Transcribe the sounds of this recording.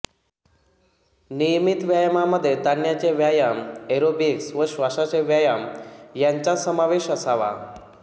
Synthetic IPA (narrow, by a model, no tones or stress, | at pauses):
nijmit̪ʋjajmaməd̪ʱːjed̪anjat͡ɕeʋjajameɾobiksʋəɕʋaʂat͡ɕeʋjajamjaɲt͡ɕasəmaʋeɕəsaʋa̰